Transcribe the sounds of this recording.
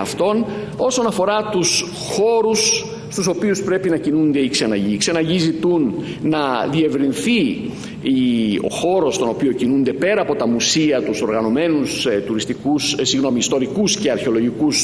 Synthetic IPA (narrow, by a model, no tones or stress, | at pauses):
ɐft̪o̞n | o̞so̞nɐfo̞ɾɐt̪us | xo̞ɾus | st̪uso̞piuspɾe̞pinɐcinund̪e̞ikse̞nɐʝikse̞nɐʝizit̪unː | ɐðie̞vɾinθi | io̞̰xo̞ɾo̞st̪o̞no̞pio̞cinund̪e̞pe̞ɾɐːpo̞t̪ɐmusiɐt̪uso̞ɾɣɐno̞me̞nust̪uɾist̪ikussiɣno̞miːst̪o̞ɾikusce̞ɐɾçeo̞lo̞ʝikus